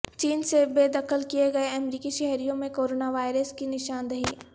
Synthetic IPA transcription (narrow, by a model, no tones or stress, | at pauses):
t͡ʃiːnsebeːd̪ɐkʰəlkieɡɐeɐmɾiːkiʃɛɦɾijõmẽkoːɾoːnaʋaːɪɾəskinɪʃaːnd̪ɐɦiː